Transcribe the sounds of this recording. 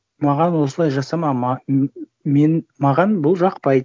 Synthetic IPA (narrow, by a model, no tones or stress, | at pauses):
mɑʁɑnwo̞səlˠɑjʒɑsɑmɑmɑ | menmɑʁɑnbʊlˠʒɑqpɑjd̪